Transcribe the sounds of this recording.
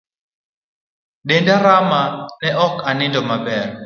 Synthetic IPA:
ɗendaɾamanɛʔɔkanɪndɔmabɛr

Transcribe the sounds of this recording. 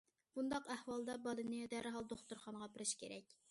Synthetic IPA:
b̥und̪ɑqæhwɑlˠd̪ɑbɑlˠɨnɨd̪æɾɦɑlˠd̪oχt̪uɾχɑnəʁɑbɪɾɪʃkʲʰḛɾɛkʲ

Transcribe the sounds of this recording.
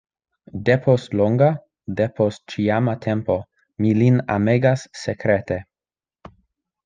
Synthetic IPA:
depʰostloŋɡa | depʰost̚t͡ʃiamatʰempo̞ | milina̰meɡasːekɾete

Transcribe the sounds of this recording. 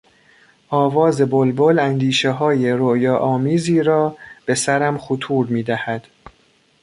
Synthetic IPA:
ʔɒːvɒːze̞bolbolænd̪iːʃeɦɒːje̞ɾojɒːʔɒːmiːziːɾɒːb̥e̞sæɾæmxut̪ʰuːɾmiːd̪æhæd̪̥

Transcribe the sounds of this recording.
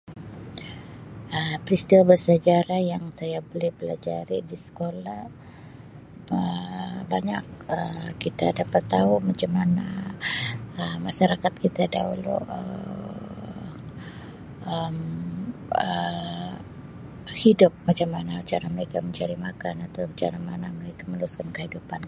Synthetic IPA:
əpəɾist̪iwabərsad͡ʒaɾahjaŋsajabolɛhbəlad͡ʒaɾidisə̥kolah | əbaɲak̚əkit̪adapat̪ːaumat͡ʃamana | əmaʃaɾakat̪̚kit̪ada̰ulʊ̰ʔə | əm | ə | hidʊp̚mat͡ʃamanaat͡ʃaɾaməɾekaməɲt͡ʃaɾimakanat̪awt͡ʃa̰ɾamanaməɾekamənəɾuskankəhidupan

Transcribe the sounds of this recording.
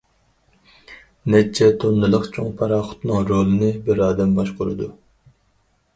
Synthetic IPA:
nɛt͡ʃʰːɛt̪ʰonːɨlˠəqt͡ʃʰoŋpʰɑɾɑːχʊ̥t̪nɨŋɾoːlˠɨnɨbɪɾɑːd̪ɛmbɑʃqʰʊɾɨ̰d̪u

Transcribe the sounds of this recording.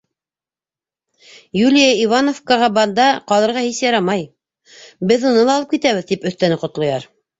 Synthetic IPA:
julʲijaivanofkɑʁɑbɑnd̪ɑqɑlˠɤ̆ɾʁɑhisjɑɾɑmɑj | bɘðunɤlˠɑːlˠɤpkit̪æβɘðt̪ipɵ̆θt̪ænɘqŏt̪lˠɑjɑɾ

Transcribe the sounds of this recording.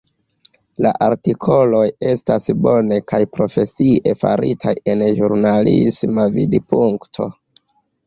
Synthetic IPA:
la̰ʔaɾtikʰo̞lo̞je̞stasbo̞ne̞kajpɾo̞fe̞sie̞fa̰ɾḭtʰaje̞nʒuɾnalḭsmavidipuŋktʰo̞̰

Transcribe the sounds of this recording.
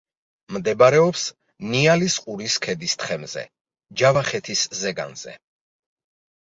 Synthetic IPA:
md̪ɛbaɾɛɔps | nialisqʼuɾiskʰɛd̪ist̪ʰχɛmzɛ̰ | d͡ʒavaχɛt̪ʰiszɛɡa̰nz̥ɛ̰

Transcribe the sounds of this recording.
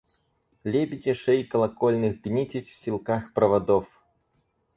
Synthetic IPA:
lʲebʲid̪ʲiʂɛjkɐlˠakɔlʲnɨxɡnʲit͡sʲisʲwsʲilˠkaxpɾɐvad̪ɔf

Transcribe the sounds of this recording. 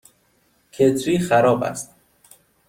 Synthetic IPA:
cʰet͡s̪ʰiːxæɾɒːbæ̰st̪̚

